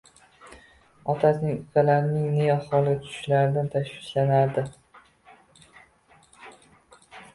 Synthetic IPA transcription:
ɒt̪ʰasnɪŋʊkʲalaɾɪnɪŋneaχɒlˠɪt̪ʰʊ̥ʊ̥ʃlaɾɪd̪ant̪ʰaʃwɪʃlanaɾd̪ɪ

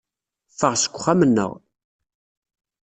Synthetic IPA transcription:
fəʁsə̥kʷːχːamənːə̰ʁ

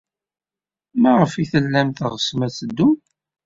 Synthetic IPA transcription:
mæʁəfiθəlːæmθəʁəsmæt͡sːəd̪ːʊm

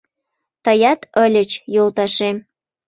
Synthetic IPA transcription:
t̪əjɑt̪əlʲət͡ɕjolt̪ɑʃem

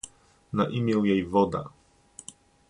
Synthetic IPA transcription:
naʔimʲjɛwjejvɔd̪a̰

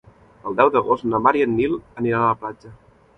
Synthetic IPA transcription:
əlˠd̪ɛwðəɣostnəmaɾiənːiləniɾaːplad͡ʒə

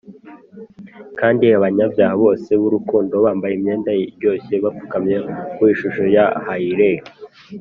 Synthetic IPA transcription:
kaːndiaβaɲabjaːhaβo̞ːse̞βuɾukuːndo̞βaːmbajimɲe̞ːndajiɾjo̞ːçe̞βafukamɲekwiʃuʃo̞jahaiɾe

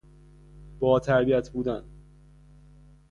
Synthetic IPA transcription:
b̥ɒːt̪ʰæɾbiæt̪ʰbuːd̪æn

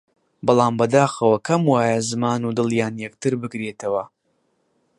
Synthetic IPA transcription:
bɨlˠaːmbɐd̪aːxɐwɐkʰɐmwaːjɐzɨmaːnud̪ɨlˠjaːnjɛkt̪ɨɾbɨkɾeːt̪ʰɐwɐ

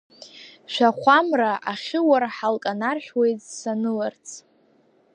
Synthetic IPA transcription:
ʃʷᶣaχʷamraʔaχʲɪwarħalkʼanarħᶣwe̞jtʼsanɨlart͡sʰʼ

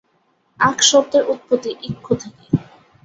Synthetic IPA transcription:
akʃɔbd̪eɾʔut̪̚pot̪ːiʔikʰːot̪ʰake

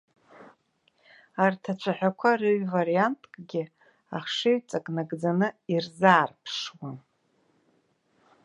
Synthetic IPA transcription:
artʰat͡ʃʷʰaħʷᶣakʷʰaɾɨɥvaɾijantʼkʼɡʲɪ | aχʂeɥt͡sʼakʼnaɡʼd͡zanɨirzaːrpʰʂwan

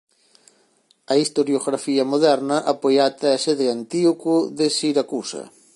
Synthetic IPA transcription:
ɐist̪oɾjoɣɾafiɐmoðɛɾnɐʔapojat̪easeðeant̪iokʊðesiɾakusɐ̰

